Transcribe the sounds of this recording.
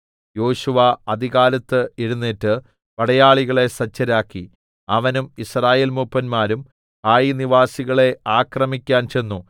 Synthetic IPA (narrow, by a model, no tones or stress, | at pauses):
jo̞ːɕuʋaɐd̪ʱiɣaːlɐt̪ːɨiɻunːiːtːɨ | pɐɽɐjaːɭiɣɐɭe̞sɐt͡ɕːɐɾaːkːi | ɐʋɐnumisraːjeːlmupːɐnmaːɾum | kaːjiniʋaːsiɣɐɭe̞aːkrɐmikʲːaːnt͡ɕe̞nːu